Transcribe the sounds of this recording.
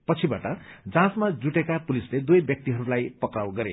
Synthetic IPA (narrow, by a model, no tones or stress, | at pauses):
pʌt͡sʰibaʈʌd͡zãsmad͡zuʈekapulisled̪ujbjʌk̚t̪iɦʌɾulajpʌkrawɡʌɾḛ